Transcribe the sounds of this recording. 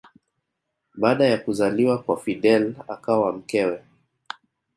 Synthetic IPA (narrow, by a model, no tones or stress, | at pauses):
ɓaːɗajakuzaliwakwafiɗɛla̰kawam̩kɛwɛ